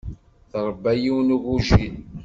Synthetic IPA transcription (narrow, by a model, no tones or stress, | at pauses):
θɾˤəbːæjiwnuɣuʒin